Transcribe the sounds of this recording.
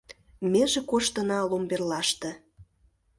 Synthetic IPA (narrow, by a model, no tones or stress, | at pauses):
meʒĕkoʃt̪ənɑlomberlɑʃt̪ĕ